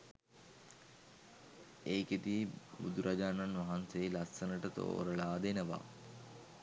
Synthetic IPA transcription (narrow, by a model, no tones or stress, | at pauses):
eːket̪ibud̪uɾʔad͡ʒaːnanʋaɦanselasːənəʈət̪o̰ːɾəɭaːd̪enəʋa̰